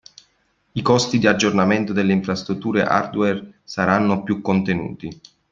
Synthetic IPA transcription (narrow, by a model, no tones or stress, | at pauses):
ikɔst̪id̪iad͡ʒːornament̪od̪elːeiɱfɾast̪ɾut̪ːuːɾeʔa̰rd̪wɛrsaɾanːopjukːont̪enṵːt̪i